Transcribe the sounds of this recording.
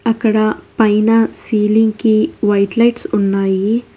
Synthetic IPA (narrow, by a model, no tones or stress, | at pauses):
ɐkɽapaɪnasiːlɪ̃ŋɡkiʋaːɪʈlaɪʈsʊnːaːi